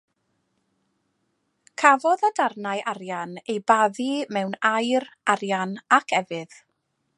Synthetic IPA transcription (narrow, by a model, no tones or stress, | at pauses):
kʰavɔðadarnajʔarjanejbaðimɛwnajraɾjanakʰɛvɨð̥